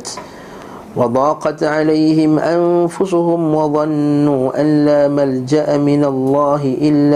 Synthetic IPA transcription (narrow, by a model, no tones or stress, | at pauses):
t̪ | wɑd̪ˤɑːqɑt̪ʕalajhɪmʔanfʊsʊhʊmwɑðˤɑnːuːʔanːaːmald͡ʒaʔamɪnalˤːɑːɦɪʔɪlː